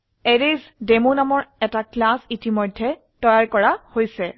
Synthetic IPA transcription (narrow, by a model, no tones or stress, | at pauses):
ɛɹezdemonamɔɹɛtaklasitimɔjdʱːɛ | tɔjaɹkɔɹahojsɛ